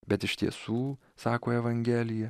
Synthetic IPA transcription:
bʲɛt̪ɪʃt̪ʲiɛsuː | sɑːkoːɛʋɐŋʲɡʲɛːlʲɪjɛ

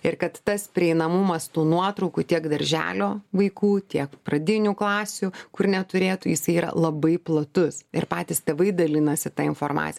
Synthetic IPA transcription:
ɪrkɐt̪ːɐspʲɾʲɪɛɪnɐmumɐst̪uːnuɔt̪ɾɔʊkut̪ʲiɛkd̪ɐɾʲʒʲæ̰ːlʲoːʋɐɪkuːt̪ʲiɛkpɾɐd̪ʲɪnʲuːklˠɑːsʲukʊrnʲɛt̪ʊɾʲeːt̪uːjɪsɐɪiːɾɐ̰lˠɐbɐɪplˠɐt̪ʊsɪrpɑːt̪ʲiːst̪ʲeːʋɐɪd̪ɐlʲɪnɐsʲɪt̪ɐɪnfoːrmɑ̰ːt͡s̪sʲj

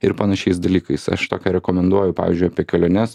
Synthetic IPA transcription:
ɪɾpɐnɐʃʲɛɪsd̪ɐlʲiːkɐɪsɐ̰ʃt̪oːkʲɛɾʲɛkomʲɛnd̪uɔjʊpɑːʋʲiːzʲd͡ʒʲʊɪaːpʲiɛkʲɛlʲoːnʲɛs

